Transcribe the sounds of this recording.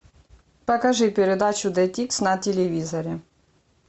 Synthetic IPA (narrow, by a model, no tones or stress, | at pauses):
pɐkɐʐɨpʲɪɾʲɪd̪at͡ɕʊd̪ɛt̪ʲiksnɐtʲɪlʲɪvʲizɐɾʲɪ